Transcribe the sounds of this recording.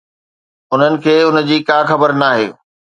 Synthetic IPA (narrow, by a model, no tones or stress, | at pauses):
ʊn̤ənɪ̆kʰeːʊnə̆d͡ʑiːkãːxɐbəɾnaːɦḛː